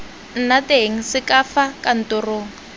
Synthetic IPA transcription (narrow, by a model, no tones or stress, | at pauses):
n̩nateɦŋ̩sɪkafakan̩toroːŋ̩